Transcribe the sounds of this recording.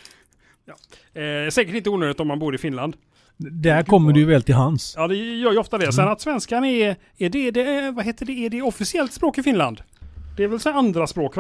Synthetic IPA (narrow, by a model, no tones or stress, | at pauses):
jɑː | ɛsɛːkəʈɪnt̪əuːnøːd̪ɪt̪ɔmːanbuːɾɪfɪnland̪ | d̪æɾkkʰɔmːəɖɵjvɛːlt̪ʰɪlɦansjɑːd̪ɛjœːɾjɵɔft̪ad̪ɛsɛnat̪svɛnskanɛ | ɛɖɛɖɛvaɦeːt̪əɖɛːɖɛɔfɪsɪɛlt̪spɾoːkɪfɪnla̰nd̪d̪̥ɛːɾvɛlsɔand̪ɾaspɾoːkv